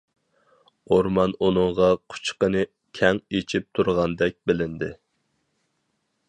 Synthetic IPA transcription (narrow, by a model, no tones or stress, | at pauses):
oɾmɑnunɨŋʁɑqʰʊ̥t͡ʃqənɨ | kʲʰɛŋet͡ʃʰip̚t̪ʰuɾʁɑnd̪ɛk̚ʲbɪlɪnd̪ɪ